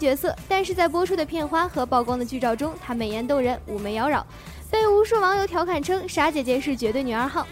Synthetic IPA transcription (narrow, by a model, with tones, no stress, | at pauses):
t͡ɕɥɛ˧˥sɤ˥˩t̪a˥˧nʂɻ̩˥˧t͡sa˥˩ɪp̬wɔ˥ʈ͡ʂʰu˥d̪ə˨pʰjɛ˥˩nxwa˥xɤ˧˥pɑ˥˩ʊkwɑ˥ŋd̪ə˨t͡ɕy˥˧ʈ͡ʂɑ˥˩ʊʈ͡ʂʊ˥ŋt̪ʰa˥me˨˩ɪjɛ˧˥nt̪̬o˥˧˩ŋɻə˧˥nu˨˩me˧˥ɪjɑ˧˥ʊɻɑ˨˩˦ʊ | pe˥˩ɪu˧˥ʂu˥˩ʋɑ˧˥ŋjo˧˥ʊt̪ʰjɑ˧˥ʊkʰa˨˩nʈ͡ʂʰɤ˥ŋʂa˧˥t͡ɕjɛ˨˩t͡ɕjɛ˧˥ʂɻ̩˥˩t͡ɕɥɛ˧˥t̪wɪny˨˩ə˞˧˥xɑ˥˩ʊ